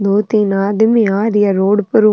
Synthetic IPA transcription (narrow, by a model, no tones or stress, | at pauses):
d̪oːt̪inaːd̪ɪmiaːɾɪjɐɾoːɽpʊɾu